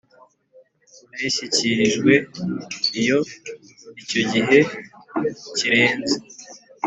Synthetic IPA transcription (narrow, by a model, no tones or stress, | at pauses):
aɾiʃiciɾiʒɡwe̞ | ijo̞ | ico̞ɟiɦe̞ | ciɾe̞ːnze